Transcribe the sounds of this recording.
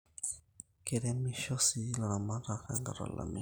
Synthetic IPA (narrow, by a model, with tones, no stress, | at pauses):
keɾɛ˦miʃɔ˦si˨la˨ɾa˨ma˦ɾaka̰˨ŋɡa˨ɾa̰˨la̰mi